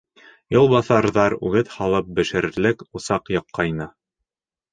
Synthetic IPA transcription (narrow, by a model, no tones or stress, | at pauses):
jŏlˠβɑθɑɾðɑɾʉ̰ɡɘt̪hɑlˠɤp̚bɘ̆ʃɘ̆ɾlɘkŏsɑqjɤ̆qːɑjnɤ